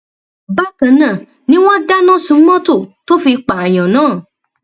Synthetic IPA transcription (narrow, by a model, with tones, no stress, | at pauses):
ba˦kã˨nã˨ | nĩ˦w̃ɔ̃˦da˦nã˦˨sũ˨˦mɔ̃˦to˦˨to˦fi˧k͡pa˨a˨j̃ã˨nãː˨˦˨